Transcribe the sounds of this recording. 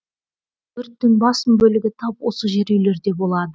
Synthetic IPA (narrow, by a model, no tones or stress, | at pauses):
b̥ʏɾt̪ːɪnbɑsəmbɵlɪɡʲɪt̪ʰɑp̚wo̞səʒe̞ɾele̞ɾd̪e̞bo̞lˠɑd̪ə